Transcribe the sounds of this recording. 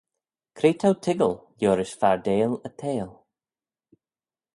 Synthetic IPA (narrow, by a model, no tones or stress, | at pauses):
kʰɾeːt̪ʰawtʰɪɡəlˠljoːɾɪsfaɹdeːlət̪ʰeːlˠ